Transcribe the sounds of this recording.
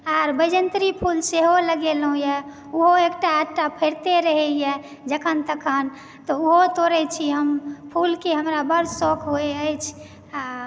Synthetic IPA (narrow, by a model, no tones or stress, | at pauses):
aɾbəd͡ʒənt̪ɾipʰulseɦoləɡelɦũjɛ | uɦoekʈaːʈapʰeɾt̪eɾəɦɛjɛ | d͡ʒəkʰənt̪əkʰən | t̪ɔuɦot̪oɾɛt͡ʃʰiɦəmpʰulkeɦəmɾabəɾsokʰɦoeəjt͡ʃʰ